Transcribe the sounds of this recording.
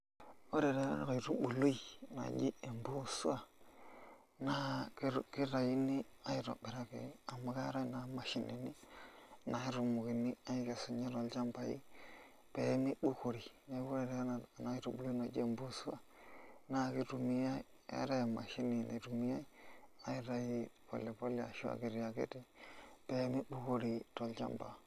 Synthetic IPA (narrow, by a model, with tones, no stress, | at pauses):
o˦ɾe˨ɾe˨˦a̰˦na˨kɾu˦bu˨lu˦i˨na̰˨d͡ʒi˦e˨mbu˦su˦a˨ | na˦kki˦ɾa˨ji˦ni˦a˦i˦ɾo̰˨be˨ɾa˦kḛ˨a˨ma˨ka˦ɾa˦˨na˨˦ma˨ʃi˦nḭ˨ni˦na˨i˦ɾu˨mu˨ki˨ni˦a˦i˦ke˨su˨ɲe˦ɾo˨lt͡ʃa˦mpa˨jḭ˦ | pe˨˦mi˦ɓu˦ko˨ɾi˨ | na˨˦bu˦ɾe˨de˨˦na˨na˦i˦ɾu˨bu˨li˦no˨d͡ʒḛ˦mbu˦su˦a˨ | na˦˨ki˦tu˨mi˦ja˦i˦ | a̰˦ɾa˦ja˨ma̰˨ʃi˦ni˨na̰˨ɾu˨mi˦ja˦i˦a˦i˦ɾa˨ji˦po̰˨lːe˨po˦le˦a̰˨ʃu˦a̰˨ɡi˨ɾi˨ja˨ɡḛ˦de˦pe˨˦mi˦bu˦ko˦ɾi˨to˨lt͡ʃa̰˦mba̰˨